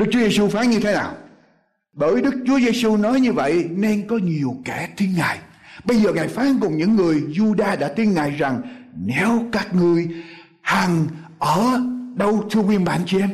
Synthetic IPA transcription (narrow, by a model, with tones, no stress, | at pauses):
ɗɨ˦˥k̚t͡ɕu˨˦ze˧su˧faː˨˦nɲɨ˧t̪ʰe˨˦naː˨˩w | ɓəː˧˩jɗɨ˦˥k̚t͡ɕu˨˦əze˧su˧nɔ˨˦jɲɨ˧və̰˧˨jne˧nkɔ˨˦ɲi˨˩əwkɛ˧˩t̪i˧nŋaː˨˩j | ɓə˧jzəː˨˩ŋaː˨˩jfaː˨˦nkʊ˨˩ŋ͡mɲɨ̰˧˥ŋːɨ˨˩əjzu˧ɗaː˧ɗa̰ː˧˥t̪i˧nŋaː˨˩jza˨˩ŋne˨˦wkaː˦˥k̚ŋɨ˧˩əj | ha˨˩ŋʔəː˧˩ɗə˧wt̪ʰɨ˧əkwi˧˩ənɓa̰ː˧˨nt͡ɕi˧ʔɛ˧m